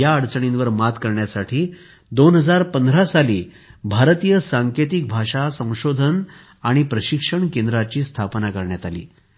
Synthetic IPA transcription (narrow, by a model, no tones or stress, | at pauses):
jaəɽt͡səɳinʋəɾmat̪kəɾɳjasaʈʰiː | d̪onɦəd͡zaɾpənd̪ʱɾasaliː | bʱaɾt̪ijəsaŋket̪ik̚bʱaʂasə̃w̃ɕod̪ʱən | aɽ̃ipɾəɕikʂəɳkend̪ɾat͡ɕiːst̪ʰapnakəɾɳjat̪alḭː